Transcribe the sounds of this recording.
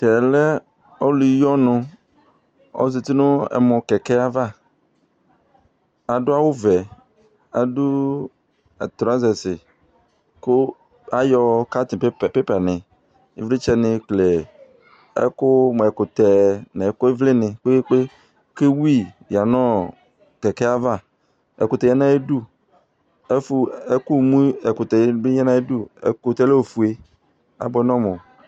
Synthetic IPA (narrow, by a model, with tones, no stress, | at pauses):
tɛ˨lɛ˦ | ɔ˦lu˨i˦jɔ˦nʊ̃˨ | ɔ̰˦zi˨t̪i˦nʊ̃˦ɛ̰˨mɔ̃˨kɛ˨kɛ˦a˦va˦ | a˨dʊ˦a˦wʊ˦vɛ˨ | a̰˨dʊ˦ | a̰˨t̪ɾa˦zɛ˨sɪ˨ | kʊ˦ | a˦jɔ˨ka˦t̪ɪ˨˦˨pe˦pa˨nɪ̃˨ | ḛ˦vlɪ˦t͡ʃɛ˦nɪ˨kle˨ | ḛ˦kʊ˦m˨ɛ˨kʊ˨t̪ɛ˨nẽ˨ko˦vlɪ˦nɪ̃˨k͡pe˦k͡pe˦ | ke˦wu˦i˦˨ | ja˨nɔ̃˦ | kɛ˨kɛ˦a˦va˦ | ḛ˨ko˨t̪ɛ˨ɲɛ̃˦nã˦e˦du˦ | e˦fu˦e˦ku˦˨mũ˦e˨kʊ˨t̪ɛ˨˦be˦ɲɛ̃˦nã˦e˦du˦ḛ˨ko˨t̪ɛ˦le˦wo˨fu˨e˦ | a̰˨bɔ˦nɔ̃˦mõ˨